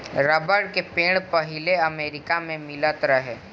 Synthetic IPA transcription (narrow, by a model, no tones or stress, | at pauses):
ɾɐbəɽkepẽːɽ̃pɐɦɪleɐmeːɾɪkamẽmɪlət̪ɾɐɦeː